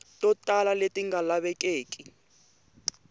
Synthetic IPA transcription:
tʼɔtʼalaletʼiŋalaɓɛkʼeːkʼi

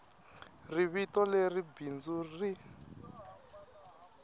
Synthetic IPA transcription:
riβitɔleribind͡zuri

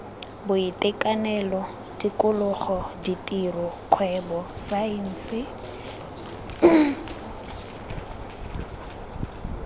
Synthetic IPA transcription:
bʊɪtʼɪkʼanɛlɔ | dikʼʊlʊχɔditʼirɔkʰwɛbɔsain̩sɪ

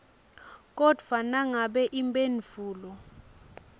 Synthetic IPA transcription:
k̬ʼɔd̥ʱfanaŋaɓɛʔimbʼenifuːlɔ

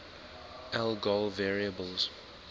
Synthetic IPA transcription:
ʔɛlˠɡɔlvɛɹiəbəlˠz̥

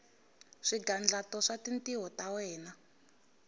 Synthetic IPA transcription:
ʂiɡand͡ɮatɔʂatintiɦɔtawɛːna

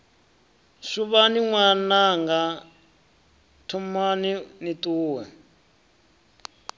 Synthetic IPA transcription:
ʂuβaniŋwanaŋɡa | tʰumaninitʼuːwɛ

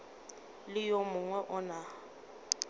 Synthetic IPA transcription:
lɪjomʊŋwɛʔʊna

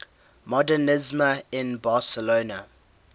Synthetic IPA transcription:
mɔdənɪzməɪ̃nbasəloːnə

